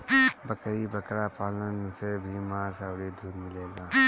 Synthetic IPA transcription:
bɐkɾibəkɾaːpaːlənsebʱimãːsawɽed̪ʱuːɾmɪleːɡaː

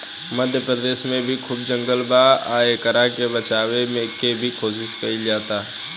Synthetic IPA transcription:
məd̪ʱjəpɾəd̪eːʃmẽbʱikʰʊːb̚d͡ʒə̃ŋɡəlbaːaːekəɾakebət͡ʃaːwemẽkebʱikʰoːs̬ɪʃkɐid͡ʒaːt̪aːɦ

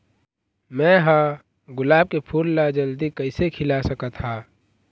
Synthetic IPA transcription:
mɛ̃ɦã | ɡʊlaːb̚kepʰuːlːad͡ʒəld̪ikəɪsekʰɪlasəkət̪haː

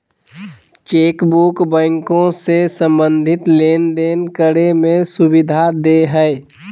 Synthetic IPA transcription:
t͡ʃeːkbukbə̃ŋkõsesə̃mbə̃nd̪ʱɪt̪leːnd̪enkəɾemẽsʊbɪd̪ʱad̪eɦəe

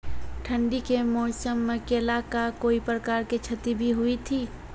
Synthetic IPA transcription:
ʈʰə̃ɳɖikemɔːsəmːẽkeɐlaːkakoːipɾəkaːɾket͡ʃʰɐt̪ibʱiɦʊit̪ʰiː

